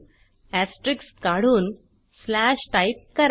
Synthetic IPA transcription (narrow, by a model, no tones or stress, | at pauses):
æsʈɾikskaɽ̤uːn | slæɕʈajp̚kəɾ